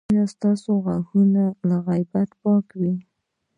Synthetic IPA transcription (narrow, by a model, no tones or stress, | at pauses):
nast̪ɑsoɣaxunalaɣajbat̪pɑkwi